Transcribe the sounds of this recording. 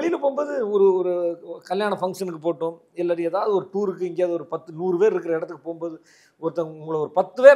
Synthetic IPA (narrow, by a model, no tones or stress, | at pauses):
ɭɪjɪlɯpoːmboːðɯɔɾɯɔɾɯkɐljaːɳɐfɐŋɡʂɐnɯk̬ːɯpoːʈːʊ̃m | ɛlːaːɾɪɛðaːʋɐðɯɔɾɯʈuːɾɯkːɯɪŋɡejaːðɯɔɾɯpɐt̪ːɯnuːɾɯʋeːɾɪɾɯkːɪɾɐɪɽɐt̪ːɯkːɯpoːɣmboːðɯ | ɔɾɯt̪ːɐʊŋɡɐɭɐɔɾɯpɐt̪ːɯʋeːɾ